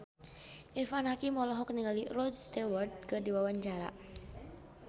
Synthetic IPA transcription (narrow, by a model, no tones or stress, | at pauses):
ʔifanɦakimɔlɔɦɔkniŋalirɔd͡ʒst̪ewərt̪̚kərdiwawaɲt͡ʃaɾa̰